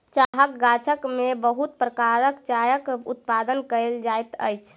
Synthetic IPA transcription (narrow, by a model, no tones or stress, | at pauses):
t͡ʃaɦəkɡat͡ʃʰəkmebəɦut̪pɾəkaɾəkt͡ʃajəkṵt̪̚pad̪ənkəld͡ʒajt̪ə̰jt͡ʃʰ